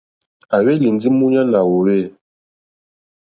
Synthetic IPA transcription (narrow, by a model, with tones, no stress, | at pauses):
a˨we˦li˨nd͡zi˦mu˦ɲa˦na˨wɔ˨wɛ˦˨